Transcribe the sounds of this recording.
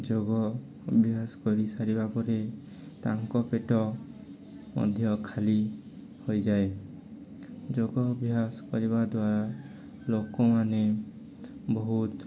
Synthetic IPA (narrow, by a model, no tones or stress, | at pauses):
d͡ʒoɡɔ | bʱiaskɔɾisaɾibapɔɾe | taŋkɔpeʈɔ | mɔ̰d̪ʱjɔkʰali | hojzaj | d͡ʒoɡɔːbʱijaskɔɹiβad̪waɾa | lokɔmane | bɔɦut̪